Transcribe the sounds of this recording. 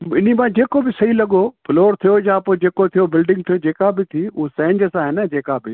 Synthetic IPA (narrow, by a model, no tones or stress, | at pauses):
ɪn̤imãd͡ʑeːkobɪsɐɦilɐɠoploːɾt̪ʰijojapod͡ʑeːkot̪ʰijobɪlɖɪ̃ŋɡ̚t̪ʰijod͡ʑeːkabɪt̪ʰiʊɦosẽːɲd͡ʑəsãːɦɪnəd͡ʑeːkabɪ